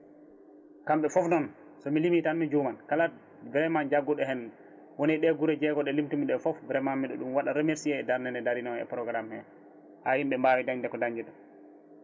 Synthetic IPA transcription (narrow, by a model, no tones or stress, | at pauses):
kamɓɛfɔfnɔn | sɔmilimitanmid͡ʒumankala | bɾɛmand͡ʒaɡːɔɗɛɦɛn | wɔniɗɛɡuɾɛd͡ʒɛɡɔɗɛlimtumiɗɛfɔfbɾɛmanːiɗɔɗumwaɗaɾɛmeɾsiɛːdaɾnɛnɛdaɾinɔɛ̰pɾɔɡɾamhɛ | hahimɓɛmbaːwidaɲndɛkɔdaɲd͡ʒiɗɔ